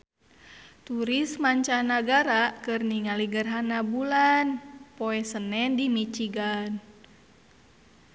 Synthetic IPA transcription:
t̪uɾismaɲt͡ʃanaɡaɾakɨrniŋaliɡərɦanabulanpoɛsənɛndimit͡ʃiɡan

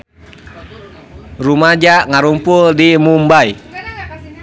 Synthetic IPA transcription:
rumad͡ʒaʔŋaɾumpuldimumbai

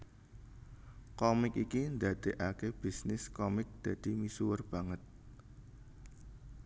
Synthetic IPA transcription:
kɔmɪkikind̪ad̪̥e̤ʔakeb̥isnɪskɔmɪk̚d̪̥ä̤d̪̥i̤misuwərb̥ä̤ŋət̪̚

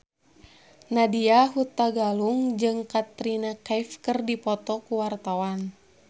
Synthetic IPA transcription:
nadiaɦut̪ːaɡaluŋd͡ʒɨŋkat̪ɾinakajfkɨrdipɔt̪ɔkuwart̪awan

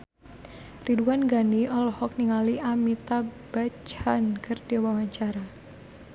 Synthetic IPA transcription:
riduanɡaniʔɔlɔhɔk̚niŋaliʔamit̪ab̥at͡ʃhankɨrdiwawaɲt͡ʃaɾa

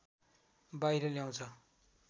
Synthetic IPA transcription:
baiɾʌljaw̃t͡sʰʌ

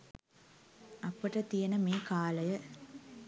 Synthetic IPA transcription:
ɐpːɐʈɐt̪ijɐnɐmeːkaːlɐjɐ

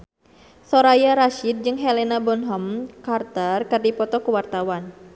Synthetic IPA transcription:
sɔɾajaɾaʃid̪̚d͡ʒɨŋɦɛlɛnabɔnɦɔmkart̪ərkɨrdipɔt̪ɔkuwart̪awan

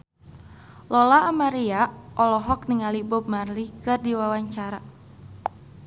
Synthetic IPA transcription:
lɔlaːmaɾiaʔɔlɔɦɔk̚niŋalibʊb̚marlikɨrdiwawaɲt͡ʃaɾa

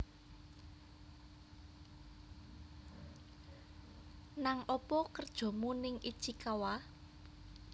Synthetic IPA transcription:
naŋʔɔpɔkərd̥ʒ̥ɔ̤munɪŋid̥ʒ̥ikawa

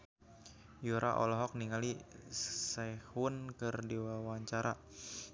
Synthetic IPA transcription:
juɾʔa̰ʔɔ̰lɔɦɔk̚niŋali | sahunkərdewawaɲt͡ʃaɾa

